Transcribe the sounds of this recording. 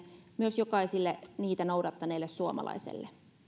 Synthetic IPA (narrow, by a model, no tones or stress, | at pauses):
myøsjokɑisilːeniːt̪ænowdɑt̪ːɑneilːessuomɑ̰lɑ̰isḛlːe